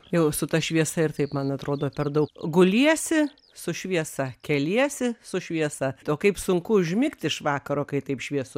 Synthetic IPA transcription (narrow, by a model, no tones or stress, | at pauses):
jɛʊsʊt̪ɐʃʲʋʲiɛsɐɪrt̪ɐɪpmɐnɐt̪ɾoːd̪oːpʲɛrd̪ɐʊkɡʊlʲiɛsʲɪ | sʊʃʲʋʲiɛsɐkʲɛlʲiɛsʲɪsʊʃʲʋʲiɛsɐtoːkɐɪpsʊŋkʊʊʒʲmʲɪkt̪ʲɪʃʋɑːkɐɾoːkɐɪt̪ɐɪpʃʲʋʲiɛsʊ